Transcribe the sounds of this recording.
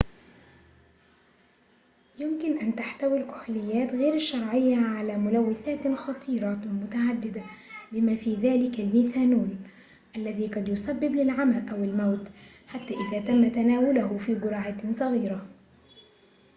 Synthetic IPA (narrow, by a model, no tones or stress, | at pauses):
jɪmkɪnʔant̪aħt̪awilkʊ̥ħlɪjːaːt̪ɣeːɾɪʃːɑɾˤʕɪjːaʕalaːmʊlawːɪθaːt̪xɑt̪ˤʰiːɾˤɑmʊt̪aʕad̪ːɪd̪abɪmaːfiːðaːlɪkalmiːθaːnuːn | ʔalːaðiːqɑd̪jʊsabːɪblɪlʕamalʔawɪlmawt̪ | ħat̪ːaːʔɪðaːt̪amːat̪anaːwʊlʊɦʊfiːɡʊɾɑʕaːt̪sˤɑɣiːɾa